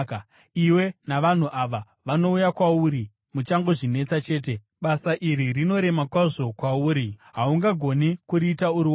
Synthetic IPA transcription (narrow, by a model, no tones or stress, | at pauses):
iwe̞naʋan̤uʔaʋa | ʋano̞ujakwauɾi | mut͡ʃaŋɡoʐine̞t͡sat͡ʃe̞ːt̬e̞ | ɓasaʔiɾirino̞ɾe̞makwaʐo̞kwauːɾiɦauŋɡaɡʱo̞nikuɾiːtauɾiwa